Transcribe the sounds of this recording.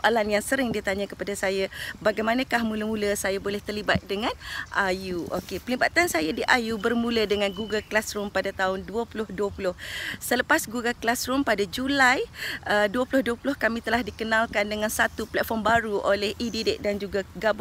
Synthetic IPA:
ʔalanjaŋsəɾɪŋdiət̪aɲakəpadasajabaɡajmãnãkahmũləmũləsajabolɛht̪ərlibat̪̚dəŋãnʔajuʔo̰kepəliba̰t̪ansajadiʔajubərmũlədəŋãnɡuɡəlklasɾʊmpadat̪aʊnduəpulʊhduəpulʊhsələpasɡuɡalklasɾʊmpadad͡ʒulajəduəpulʊhduəpulʊhkamĩt̪əlahdikənãlkandəŋansat̪uplɛt̪̚fɔmbaɾuʔolɛhʔididɪʔ̚dand͡ʒuɡaɡab

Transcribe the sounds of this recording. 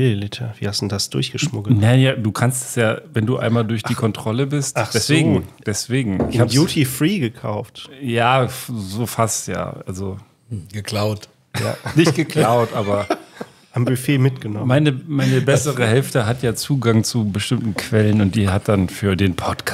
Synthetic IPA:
ililɪtʰɐviːhastd̥udasd̥ʊɐçɡ̥əʃmʊɡl̩nanjaːduːkʰanstɛ̥sjaːvɛnduːʔa̰ɪnmaːldʊɐçd̥iːkʰɔntʁ̥ɔləbɪstḁɛsv̥eːɡŋ̩d̥ɛsv̥eːɡŋ̩ʔɪçhaːbəjuːtʰifʁiːɡəkʰa̰ʊftjaːzoːfastja̰ːʔa̰lzo | ɡ̥əkl̥aʊt | ja̰ːnɪçɡ̥əkʰl̥aʊtʔaːbɐ | ʔambʏfeːmɪtɡ̥ənɔmmaɪnəmaɪnəbɛsəʁəɦɛlftəɦatjaːt͡suːɡaŋt͡subəʃtɪmtn̩kʰv̥ɛlənʊnt̚d̥iːɦat̚d̥anfyːɐdeːnpʰɔtkʰ

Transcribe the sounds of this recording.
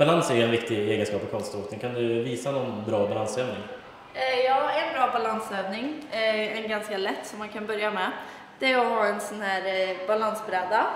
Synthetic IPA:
b̥alansɛɾjɵɛnɾɪk̚t̪ɪeːɡənskɑːpːɔkʰɔnst̪oːknɪŋkʰand̪ɵviːsanɔnbɾɑːbalansøːvnɪŋ | jɑːɛnbɾɑːbalansøːvnɪŋɛnɡanskalɛt̪ːsɔmːankʰanbœɾjamɛ | d̪̥ɛæɾɔɦɑːɛnsɔnhæːɾbalansbɾɛːd̪a

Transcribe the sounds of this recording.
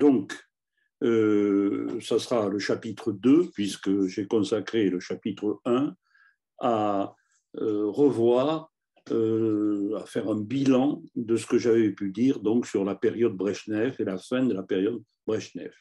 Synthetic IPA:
d̪ɔ̃k | ø | sasəʁaləʃapit̪χəd̪øpɥiskəʒɛkɔ̃sakχeləʃapit̪χəɛ̃ | a | ʁəvwaʁ | afɛʁɛ̃bilɑ̃d̪əsə̥kəʒavepyd̪iʁd̪ɔ̃ksyʁlapeʁjɔd̪̚bʁɛʃnɛvelafɛ̃d̪əlapeʁjɔd̪ | bʁɛʃnɛ̰v

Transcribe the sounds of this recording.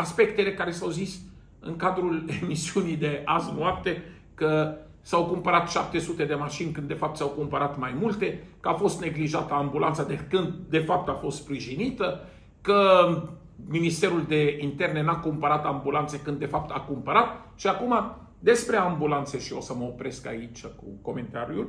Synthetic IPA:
aspe̞kt̪e̞le̞kaɾe̞sawzis | ɨ̰ŋkad̪ɾule̞misiunijd̪e̞aznwap̚t̪e̞ | kə | sawkumpəɾat̪ʃap̚t̪e̞sut̪e̞d̪e̞maʃinʲkɨnd̪ːe̞fap̚t̪sawkumpəɾat̪majmult̪e̞kəafo̞st̪ne̞ɡliʒat̪əambulʔa̰nt̪sad̪ekɨnd̪d̪e̞fap̚t̪afo̞st̪spɾiʒinit̪ə | kə | minist̪e̞ɾuld̪e̞int̪e̞rne̞nakumpəɾat̪ambulant̪se̞kɨnd̪ːe̞fap̚t̪akumpəɾat̪̚ | ʃiakuma | d̪e̞spɾe̞ambulant̪se̞ʃio̞səməopɾe̞ska̰it͡ʃʲkuko̞me̞nt̪aɾjul

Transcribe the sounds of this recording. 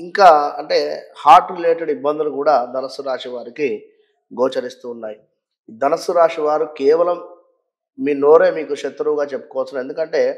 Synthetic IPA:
iŋkaːɐɳʈe̞ːhaːɾʈleːʈɐɽibːɐnd̪unukuːɽaːd̪ɐnɐsuɾaːʂiʋaːɾiki | ɡoːt͡ʃɐɾist̪uːnːaːji | d̪ɐnɐsuɾaːʂiʋaːɾukɛːʋɐlɐmː | iːnoːɾeːmiːkuʃɐt̪ːɾuʋɡaːt͡ʃepːu̥kɔʋɐt͡sːɐne̞nd̪ukɐɳʈe̞ː

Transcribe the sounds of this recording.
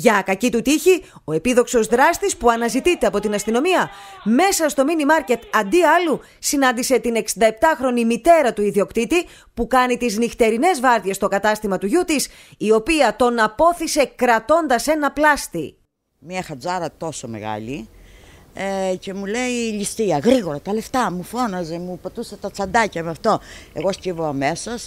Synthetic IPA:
ʝɐkɐcit̪ut̪içi | o̞e̞piðo̞kso̞zðɾɐst̪ispuɐnɐzit̪it̪e̞ɐpo̞t̪inɐst̪ino̞miɐme̞sɐst̪o̞minimɐɾce̞t̪ɐnd̪iɐlu | sinɐnd̪ise̞t̪ine̞ksind̪ɐe̞p̚t̪ɐxɾo̞nimit̪e̞ɾɐt̪uiðio̞kt̪it̪i | pukɐnit̪iznixt̪e̞ɾine̞zvɐɾðjest̪o̞kɐt̪ɐst̪imɐt̪uʝut̪is | io̞piɐt̪o̞nɐpo̞θise̞kɾɐt̪o̞nd̪ɐse̞nɐplɐst̪i | miɐxɐd͡zɐɾɐt̪o̞somḛɣɐ̰li | ce̞mule̞ilist̪iɐɣɾiɣo̞ɾɐt̪ɐle̞ft̪ɐmufo̞nɐze̞mupet̪uset̪ɐt͡sɐnd̪ɐcɐmeɐft̪o̞e̞ɣo̞scivoɐme̞sɐs

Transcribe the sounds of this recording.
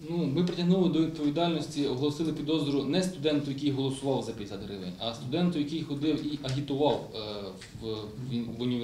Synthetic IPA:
numɪpɾɪtʲɐɦnulˠɪd̪ɔʋʲid̪̚pɔʋʲid̪ɑlʲnɔsʲtʲiɔɦɔlˠɔsɪlˠɪpʲid̪ɔzɔɾʊnɛst̪ʊd̪ɛnt̪ʊjɐkijɦɔlˠɔsʊʋɑwzɐpʲid̪ʲzɐd̪ɦɾɪʋḛnʲɐst̪ʊd̪ɛnt̪ʊjɐkijxɔd̪ɪwiʔɐɦʲit̪ʊʋɑw | ʋ | ʋʊnʲi

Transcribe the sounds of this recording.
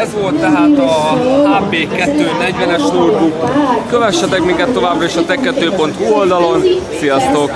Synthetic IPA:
ɛzʋo̞lt̪ːɛɦaːt̪ɒaːpeːkɛt̪ːøːnɛɟʋɛnɛʃnoːrbukkøvɛʃːɛt̪ɛkmiŋkɛt̪ːo̞vaːbrɒeːʃɒt̪ɛkːɛt̪øːpo̞nt̪huːold̪ɒlo̞nsijɒst̪o̞k

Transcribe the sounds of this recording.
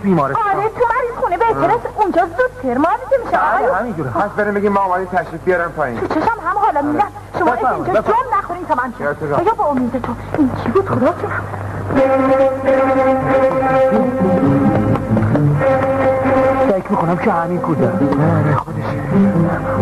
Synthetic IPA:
biːmɒɾeɒːɾet̪ʰumæɾizxunebeeɾesund͡ʒɒːzud̪t̪ʰeɾmɒɾid̪emiʃeːjhmĩnd͡ʒuːɾæsbeɾimbeɡimːɒːmæd̪imt̪ʰæʃɾid̪̚bijɒɾamt̪ʰɒjḭnt̪ʰut͡ʃʰeʃæmɦæmʁɒːlæbmid̪æn | ʃomɔːeːnd͡ʒɒːd͡ʒomnæxoɾimt̪ʰɒmænt͡ʃʰit̪ʰezbeɡæbɒomiːd̪et̪ʰoint͡ʃʰibuːd̪χod̪ɒːt͡ʃʰinæbd̪ | ʃekʰmiːkʰonæmkʰehæminkʰuːd̪æomæd̪exod̪eʃin

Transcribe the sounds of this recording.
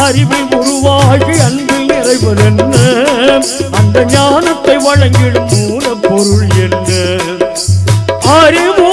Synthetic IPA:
ɐɾɪʋiʊɾʊʋaːɣiɐnminɪrɐɪʋɐɾɛnːɐ | ɐnd̪ɐɲaːnɐt̪ːɐɪʋɐɻɐŋɡɪɭɯmuːnɐpːɔɾɯɭɛndɯ | ɐɾɪmu

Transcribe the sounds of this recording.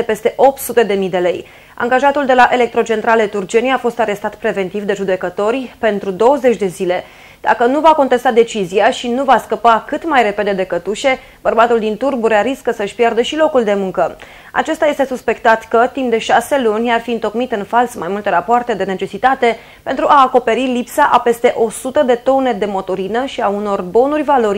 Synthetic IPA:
epe̞st̪e̞ʔo̞p̚t̪sut̪e̞d̪e̞mid̪e̞le̞j | a̰ŋɡaʒat̪uld̪e̞laʔe̞le̞k̚t̪ɾo̞t͡ʃe̞nt̪ɾale̞t̪urd͡ʒe̞niafo̞st̪aɾe̞st̪at̪pɾe̞ve̞nt̪ivd̪e̞ʒud̪e̞kət̪o̞rʲpe̞nt̪ɾud̪o̞wəze̞t͡ʃʲd̪e̞zile̞ | d̪̥a̰kənuvako̞nt̪e̞st̪ad̪e̞t͡ʃiziaʃinuvaskəpakɨt̪majɾe̞pe̞d̪e̞d̪e̞kət̪uʃe̞ | b̥ərbat̪uld̪int̪urbuɾaɾiskəsəɨʃʲpjard̪əʃilo̞kuld̪e̞muŋkə | a̰t͡ʃe̞st̪aje̞st̪e̞suspe̞kt̪at̪kət̪impd̪e̞ʃase̞lunʲarfiɨnt̪o̞kmit̪ɨnfalsmajmult̪e̞ɾapoart̪e̞d̪e̞ne̞t͡ʃe̞sit̪at̪e̞ | pe̞nt̪ɾuʔaːko̞pe̞ɾilipsaʔape̞st̪e̞ʔo̞sut̪əd̪e̞t̪o̞ne̞d̪e̞mo̞t̪oɾinəʃiauno̞rbo̞nurʲvalo̞ɾʲ

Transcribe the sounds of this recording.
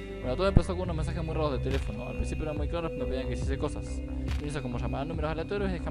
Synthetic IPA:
benot̪oemplasoakuunomensaxemujraðoðet̪elefono̰a̰lpɾinsipjoeɾanmujklaɾopanopeijaŋkesiseko̞sasnes̬okomoʃamanumeɾoselat̪oɾjosiðexa

